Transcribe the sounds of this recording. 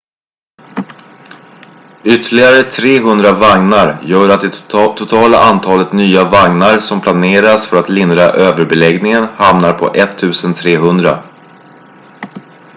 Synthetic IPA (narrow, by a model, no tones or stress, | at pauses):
ʏt̪ʰːəɭɪɡaɾət̪ʰɾeːɦɵnd̪ɾavaŋnaɾjœːɾat̪̚d̪ɛt̪ʰʊt̪ʰɑːlaʔant̪ʰɑːlət̪nyːavaŋnaɾsɔmpʰlaneːɾasfœɾat̪lɪnd̪ɾa̰ʔøːvəɾbɛlɛɡnɪŋənhamnaɾpʰɔ̰ʔɛt̪ʰːʉ̟ːsənt̪ʰɾeːɦɵnd̪ɾa̰